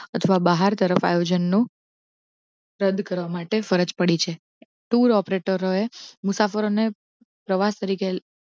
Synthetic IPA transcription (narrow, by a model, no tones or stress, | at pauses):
ət̪ʰəʋabəɦaɾt̪əɾəfa̰jod͡ʒənːũ | ɾəd̪kəɾʋamaʈefəɾəd͡ʒpəɽit͡ʃʰe | ʈuɾɔpɾeʈəɾoemʊsafəɾone | pɾəʋast̪əɾike